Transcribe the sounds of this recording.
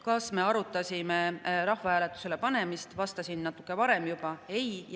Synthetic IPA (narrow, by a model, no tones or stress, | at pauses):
kɑsme̞ɑɾut̪ːˑɑsʲimeɾɑhvɑhæːlet̪ːˑu̥se̞le̞pɑne̞mist̪vɑst̪ɑsinːɑt̪ːˑu̥kːˑe̞vɑɾe̞mjub̥ɑe̞j